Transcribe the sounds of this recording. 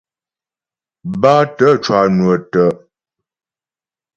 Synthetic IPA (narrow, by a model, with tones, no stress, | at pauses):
ba˦tə˨˦˨t͡ʃwa˨nwə˨tə˨ʔ